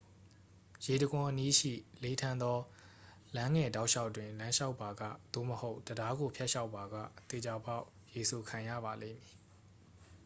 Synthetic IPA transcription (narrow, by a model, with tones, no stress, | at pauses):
je˨də˨ɡʊ̃˨ʔəni˦ʃḭ˦˨le˦tʰã˦nd̪ɔ˦ | lã˦ŋɛ˨da˦ʊʔʃa˦ʊʔtwɪ̃˨lã˦ʃa˦ʊpːa˨ɡa̰˦˨d̪̥o̰˦˨məho˦ʊʔd̥əda˦ɡo˨pʰjɛ˦ʔʃa˦ʊpːa˨ɡa̰˦˨t̪e˨d͡ʑa˨pa˦ʊʔ | je˨so˨kʰã˨jä̰˦˨ba˨lḛ˦˨mji˨